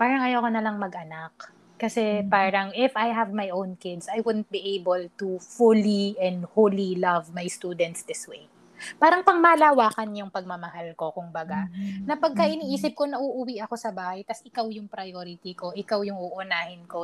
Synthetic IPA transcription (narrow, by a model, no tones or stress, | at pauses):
paːɾɐŋɐjawkonɐlɐŋmɐɡʔɐnak | kɐsɛpaːɾɐŋɪfajɦɐvmajʔownkɪd̪sajwʊd̪n̩t̪̚biʔejbɛlt̪ufʊliɛnd̪holilɐvmajst̪uːd̪ɛnt̪sd̪ɪswej | paːɾɐŋpɐŋmaːlaːwaːkɐnjʊŋpɐɡ̚mɐmɐhalko̞kʊmbɐɡanɐpɐɡ̚kɐʔɪniːʔiːsɪp̚ko̞nɐʔuʔʊwiʔɐko̞sɐbaːhɐjt̪ɐsɪkawjʊŋpɾɐjoɾɪt̪iko̞ʔɪkawjʊŋʔuʔʊnaːhɪnko